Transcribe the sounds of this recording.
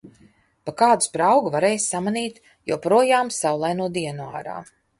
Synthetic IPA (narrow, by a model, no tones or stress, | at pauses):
pakaːd̪u̥spɾawɡuvaɾejsːamaniːt̪ | jo̰ːpɾuɔjaːmsawlˠajnuɔd̪iɛnua̰ːɾa̰ː